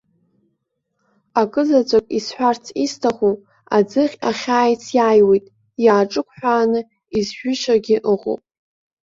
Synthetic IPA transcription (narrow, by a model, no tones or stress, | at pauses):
akʼɨzat͡sʷʼakʼisħʷᶣart͡sʰistʰaχu | ad͡zɨχʲaχʲaːjt͡sʰjaːjwejtʼ | jaːʈ͡ʂʼɨkʷʰħᶣʷaːnɨ | izʒᶣʷʏʃaɡʲɪʔɨʁo̰wpʼ